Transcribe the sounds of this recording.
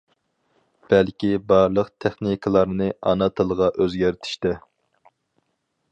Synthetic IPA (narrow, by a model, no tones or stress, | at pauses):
b̥ælkʲibɑɾlˠəqt̪ʰɛχnikʰəlˠɑɾnɨʔɑnɑt̪ʰɨlˠəʁɑʔøzɡʲæɾt̪ʰi̥ʃt̪ɛ